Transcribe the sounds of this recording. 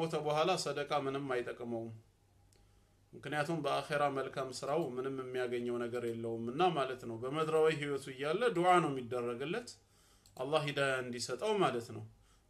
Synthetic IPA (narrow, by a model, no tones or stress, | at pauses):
ot̪ʰəbəhʷalasəd̪əkʼamɨnɨmːajt̪ʼəkʼːməwm | mɨknɨjat̪ʰumbəaxeɾaməlkʰamsɨɾawmɨnɨmːɨmːijaɡəɲːəwnəɡəɾjɛlːəwumɨnːamalət̪nəwbəməd̪ɾawiɦiwɔt̪ʰuɨjːalːəd̪uʕanəwmjɪd̪ːərːəɡɨlːət̪ | ʔalˤːahhid̪ajaɨnd̪isət̪ʼəwmalət̪nəw